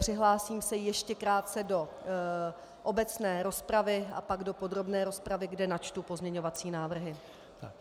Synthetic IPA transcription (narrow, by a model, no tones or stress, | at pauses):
pr̝̥ɪɦlaːsiːmsɛjɛʃcɛkɾaːt̪t͡sɛdo̞ | ʔobɛt͡snɛːɾo̞spɾavɪa̰paɡdo̞po̞dɾo̞bnɛːɾo̞spɾavɪɡdɛnat͡ʃt̪upo̞zɲɛɲo̞vat͡siːnaːvr̩ɦɪ | t̪